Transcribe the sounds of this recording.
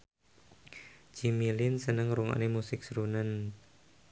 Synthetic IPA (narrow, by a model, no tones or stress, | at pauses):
d͡ʒimilɪnsənəŋɾuŋa̰nemusɪk̚sɾunən